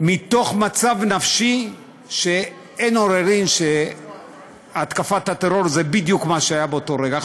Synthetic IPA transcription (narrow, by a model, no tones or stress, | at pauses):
mit̪o̞χmat͡savnafʃi | ʃe̞ | eno̞ɾeʁimʃe | at̪kafathat̪eɾo̞ɾzebid̪jukmaʃeajabeoto̞ɾeɡa